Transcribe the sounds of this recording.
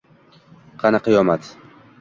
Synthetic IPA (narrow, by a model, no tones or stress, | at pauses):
qʰɑnɨqʰɨjɒmat̪